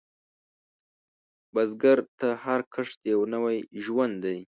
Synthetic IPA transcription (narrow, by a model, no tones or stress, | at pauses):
bazɡaɾt̪ahaɾkʰəʂd̪jawnawajʒwand̪d̪aj